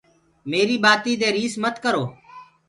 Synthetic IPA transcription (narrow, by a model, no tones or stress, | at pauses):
meːɾiːɓaːt̪iːd̪eːɾiːsmət̪kəɾoː